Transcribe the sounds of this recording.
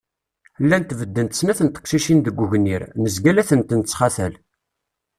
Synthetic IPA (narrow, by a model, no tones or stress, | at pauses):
lːænt̪vəd̪ːənt̪ə̥snæθənt̪ə̥qʃiʃind̪əɡʷːuʝniɾnəzɡælæθənt̪ənt͡sːχɑθəl